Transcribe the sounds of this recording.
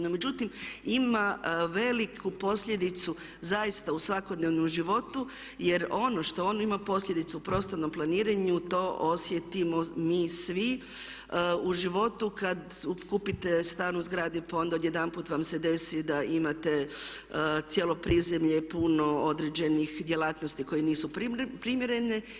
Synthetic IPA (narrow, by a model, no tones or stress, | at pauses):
nome̞d͡ʑut̪imimaʋe̞likʰupo̞sʎʲe̞d̪it̪su | zaist̪ausʋako̞d̪neʋnomʒiʋo̞t̪u | je̞ɾo̞no̞ʃt̪o̞onoimapo̞slʎe̞d̪it̪suupɾo̞ːst̪ano̞mplˠaniːɾaɲut̪o̞ːʔo̞sje̞t̪imo̞miːsʋi | uʒiʋo̞t̪ukad̪ | ukupit̪e̞st̪aːnuzɡɾaːd̪ipao̞nd̪aod̪je̞d̪anpuːt̪ʋamse̞d̪e̞sid̪aʔimat̪e̞ | t̪sjelˠo̞pɾize̞mʎepuno̞od̪ɾed͡ʑe̞nixd̪je̞lˠaːt̪nost̪iko̞jeniːsupɾpɾimjeɾe̞ne